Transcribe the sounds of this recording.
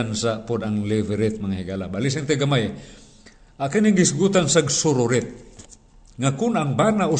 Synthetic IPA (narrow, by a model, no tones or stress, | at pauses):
ansapʊd̪aŋlɪvɛɾɪt̪̚maŋahiɡalabalis̬ɪnt̪ɛɡamaj | akaniŋɡɪsɡut̪ansaɡsʊɾʊɾɪt̪̚ | ŋakʊnaŋbanaʔʊ